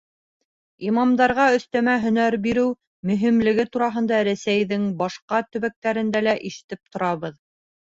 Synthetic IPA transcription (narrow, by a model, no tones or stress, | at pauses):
imɑmd̪ɑɾʁɑɵ̆θt̪æmæɦɵ̆næɾbiɾɘw | mɵ̆ɦimlɘ̆ɡɘt̪uɾɑɦɤ̆nd̪ɑɾæsæjðɘŋbɑʃqɑt̪ɵ̆βæk̚t̪æɾɘ̆nd̪ælæʔiʃɘ̥̆t̪ɘp̚t̪ŏɾɑβɤð